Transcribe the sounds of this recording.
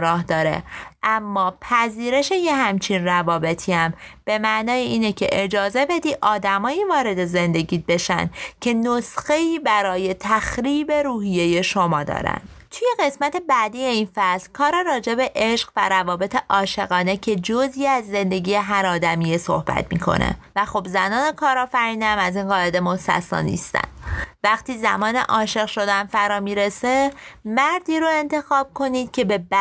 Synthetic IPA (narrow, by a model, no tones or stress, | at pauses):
ɾɒːhd̪ɒːɾe̞̰ʔæmːɒːpʰæziːɾe̞ʃe̞jehæmt͡ʃʰinrævɒːbe̞t̪ʰiæmb̥e̞mæʔnɒːjeiːnecʰe̞̰ʔed͡ʒɒːze̞be̞d̪iːʔɒːd̪æmɒːjiːvɒːɾe̞d̪e̞ze̞nd̪e̞ɟiːd̪̚be̞ʃæ̰nd̪̥cʰe̞nosxe̞iːbæɾɒːje̞t̪ʰæxɾiːbe̞ɾuːhije̞je̞ʃomɒːd̪ɒ̰ːɾæ̰nd̪t̪ʰuje̞ɣe̞smæt̪ʰe̞bæd̪iːjeinfæslkʰɒːɾɒɾɒːd͡ʒe̞be̞ʔeʃɢ̥væ̰ɾævɒːbe̞t̪ʰe̞ʔɒːʃe̞ɣɒːne̞cʰe̞d͡ʒoziːæzːe̞nd̪e̞ɟiːjeɦæɾɒːd̪æmijeso̞̰hbæ̰t̪ʰmḭːkʰo̞̰nḛvæxobzænɒːnekʰɒːɾɒːfæɾiːnæmæziːnɢɒːe̞d̪e̞mosæ̰sɒ̰ːnḭst̪æ̰nd̥̪væxt̪iːzæmɒːnḛʔɒːʃe̞ɣʃo̞d̪ænfæɾɒːmiːɾesemæɾd̪iːɾoe̞nt̪ʰe̞xɒːb̥̚kʰo̞niːd̪̥cʰe̞be̞b